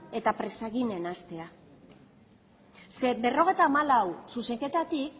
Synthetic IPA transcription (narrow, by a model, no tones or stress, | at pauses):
e̞t̪apɾe̞saɣine̞nast̪e̞a | sebe̞ro̞ɣ̞e̞jt̪aːmalawsuse̞ŋke̞t̪at̪ik